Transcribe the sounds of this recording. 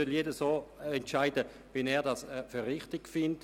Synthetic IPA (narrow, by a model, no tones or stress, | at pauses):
øljedəsoːɛntʃaɪdə | ʋɛnɛːɐdɑsføɾːɪχtɪɡfɪnt